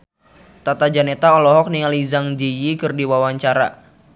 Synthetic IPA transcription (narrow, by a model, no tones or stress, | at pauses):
t̪at̪ad͡ʒanet̪aɔlɔɦɔk̚niŋalizaŋd͡ʒijikɨrdiwawaɲt͡ʃaɾa̰